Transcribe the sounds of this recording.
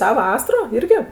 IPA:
ˈtɑː ˈʋɑːsɐroː ˈɪrʲɡʲɪ

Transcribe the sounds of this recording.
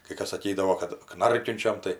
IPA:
kɜ ˈkɐs ˈsɑːkʲiːdɐʋoː kɐt ˈknɐrʲkʲʊnʲt͡ʃʲɛm tɐɪ

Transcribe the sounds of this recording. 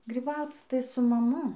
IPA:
ɡrʲiːˈbɐʊt͡s tɐɪ sʊ mɐˈmʊ

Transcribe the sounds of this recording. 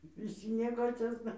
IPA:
ʋʲɪˈsʲɪ nʲiɛˈkoːt͡sʲoːsnɐ

